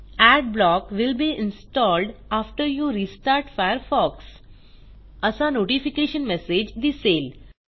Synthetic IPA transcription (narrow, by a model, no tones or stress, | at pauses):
æɖblɔːkʋɪlbiːɪ̃nsʈɔːlɖaːfʈəɾjuːɾiːsʈaːɾʈfaɪəɾfɔːks | əsanoːʈifikeːʃə̃nmɛsed͡ʒd̪iseːl